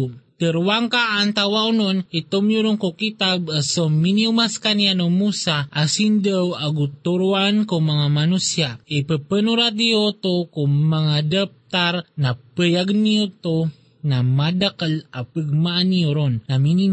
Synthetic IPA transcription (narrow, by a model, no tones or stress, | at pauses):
t̪əɾwaŋkaːnt̪awaunonit̪omjuɾoŋkukit̪absominiumaskanianomusaʔasindəwaɡut̪uɾuankuŋmaŋamanusiaipəpənuɾat̪̬̚ijot̪okumaŋadap̚t̪aɾnapəjaɡniot̪o | namadakəlapəɡ̚maʔanijoɾonnamini